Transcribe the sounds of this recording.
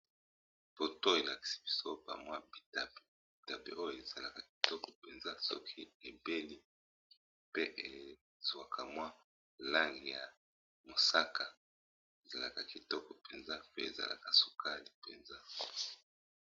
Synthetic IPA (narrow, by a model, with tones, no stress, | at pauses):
po˨to˦e˨la˨ki̥˨si̥˨bi̥˨so˦o˦pa̰˨mwa˦bi˨ta˨pe˨bi˨ta˨bḛ˨ʔo˦jo˨e˨za˨la˨ka˨ki̥˨tɔ˦kɔ˨pe˨nza˦sɔ̰˦kʰi˦e˨be˦li˦ | pe˦ʔe˨ | z̥wa˨kʰa˨mwa˦ | la˦ŋɡi˨ja˨ | mo˨sa˦kʰa˨ | e˨za˨la̰˨ka˨ki˨tɔ˦kɔ˨pe˨nza˦pe˦e˨za̰˨lʔa̰˨ka˨su̥˨kʰa˦li˨pḛ˨nza˦